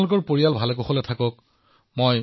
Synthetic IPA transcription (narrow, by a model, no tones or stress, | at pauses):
lʊk̬ɔɹpoɹijalbʱalɛkoxɔlɛtʰakɔk̚ | moj